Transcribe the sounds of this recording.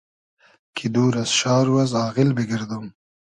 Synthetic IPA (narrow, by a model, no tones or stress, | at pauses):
kʰid̪uːɾasʃɑːɾwazɑːɣɪlbiɡiɾd̪um